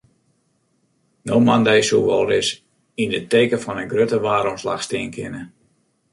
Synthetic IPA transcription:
noːmandɛjsuʋɔlˠdɪs | indəteːkəfɔnənɡrøtəʋaːɾɔmslaxstɪənkʰɪnə

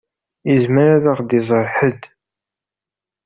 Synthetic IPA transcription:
izməɾaðaʁd̪izˤəɾˤħəd̪

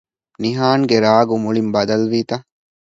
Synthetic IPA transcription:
niɦaːŋɡeɾaːɡumuɭimbɐd̪ɐlʋiːt̪ɐ

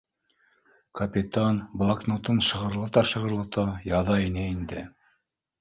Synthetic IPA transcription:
kɐpʲit̪anblˠaknut̪ɤnʃɤ̆ʁɤ̆ɾlˠɤt̪ɑʃɤ̆ʁɤ̆ɾlˠɤt̪ɑjɑðɑinæind̪ɘ

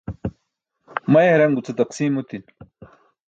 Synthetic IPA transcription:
mɐjeɾɐŋɡut͡sɐt̪ɐqsiːmot̪in

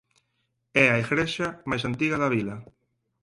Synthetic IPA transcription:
ɛaeɣɾeʃamajs̬ant̪iɣɐðaβilɐ

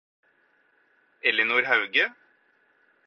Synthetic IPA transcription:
ɛlənuːɾhɑʉɡə

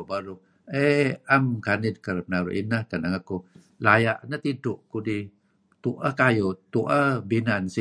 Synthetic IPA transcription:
baɾu | eamkanid̚kəɾəpənaɾṵʔḭnəhkanaŋaku | lajaʔnət̪idʊʔkudi | t̪uʔəhkajot̪uʔəbinansi

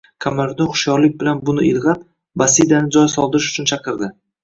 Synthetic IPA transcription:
kʰamaɾd̪ɒχʊ̥ʃjɒɾlɪk̚ʲbɪlanbʊnɪɪlˠʁɑt̪ | basid̪anɪd͡ʒɒjsɒlˠd̪ɪɾɪʃʊ̥t͡ʃʰʊnt͡ʃʰɑqɨɾd̪ɪ

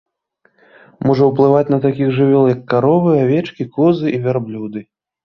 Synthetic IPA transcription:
mɔʐɐwplˠɨvat͡sʲnɐt̪akʲiɣʐɨvʲɔlˠjɐkːaɾɔvɨavʲɛt͡ʂkʲikɔzɨʔivʲarblʲud̪ɨ

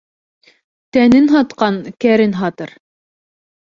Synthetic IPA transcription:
t̪ænɘnɦɑt̪qɑnkæɾɘnɦɑt̪ɤɾ

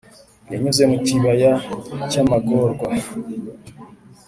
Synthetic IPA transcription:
jḛɲuzemuciβajacamakoɾɡwa

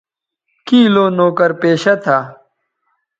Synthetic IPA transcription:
kiːloːnoːkɐɾpeːɕɐt̪ʰaː

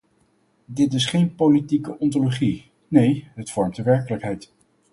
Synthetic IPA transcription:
dɪtɪsχejnpolitikəʔɔntoloχi | nejɦətfɔɹmtdəʋɛɹkələkɦɛjt

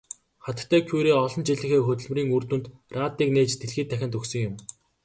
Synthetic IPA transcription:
χat̪t̪ʰːæːkʰujɾeːɔɮɞ̆nt͡ɕiɮɘ̆xeːxɵt̪ɵ̆ɮmriːŋurt̪ŭnt̪rʔaːt̪ːiːkneːt͡ɕt̪ʰeɮxiːt̪ʰːæxʲɪ̆nt̪ɵksɵ̆ŋjʊm

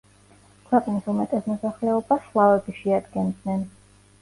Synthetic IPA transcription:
kʰwɛqʼnisumɛt̪ʼɛsmɔsaχlɛɔbaʃlˠavɛbiʃɛad̪ɡɛnd̪nɛn

